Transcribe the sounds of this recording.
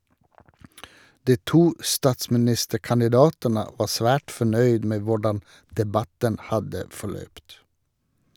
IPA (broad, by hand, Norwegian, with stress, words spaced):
ˈdiː ˈtuː ˈstɑːtsmɪˌnɪstəkɑnɪˌdɑːtənə ˈʋɑː ˈsʋæːʈ fɔˈɳœʏd ˈmeː ˈʋʊɖɑn dɛˈbɑtən ˈhɑdə fɔˈɭœpt